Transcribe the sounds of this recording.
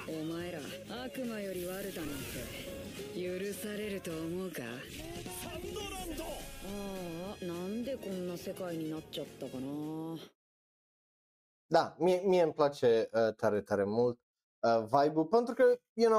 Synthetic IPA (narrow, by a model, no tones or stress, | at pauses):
emaeɾa̰ | akɯ̟majo̞ɾʲiβaɾɯ̟t̪anaso | jɯɾɯsaɾe̞ɾɯ̟t̪o̞ːmo̞ɯka̰ | oɾad̪oanãnd̪e̞kõ̞nːase̞kaiɲ̟inatːt͡ɕat̪ːakana | d̪amiemie̞mplat͡ʃe̞ət̪aɾe̞t̪aɾe̞mult̪̚ | əvajbupe̞nt̪ɾukəjuno